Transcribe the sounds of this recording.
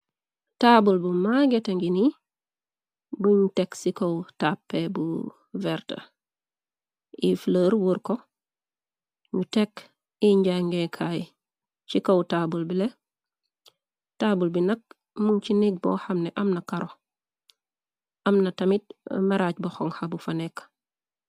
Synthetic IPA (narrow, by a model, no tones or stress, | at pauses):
tabulbumaɡetɐŋɡini | buɲuteksikowtapːebṵ | veɾtɐ̰ | ifləːɾwuɾko | ɲutek | iɲɟaŋɡekʰaj | t͡ʃikowtaːbulbile | tabulbinɐk̚ | muɲt͡ʃinik̚bo̰xamneʔɐmnɐkaɾʔo | ʔɐmnɐtɐmit̚maɾaːc̚boxoŋhabufanekː